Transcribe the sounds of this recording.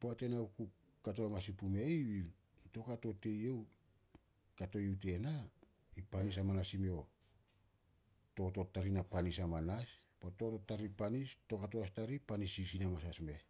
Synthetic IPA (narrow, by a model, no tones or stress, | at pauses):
poate̞nauku | kat̬oamasipumejβi | to̞kato̞te̞jew | kato̞jut̬e̞na | ipanis̬amanasimio̞ | to̞to̞tːaɾinapanisamanas | poto̞totːaɾipanisto̞katoastaɾipanisisinamasasme̞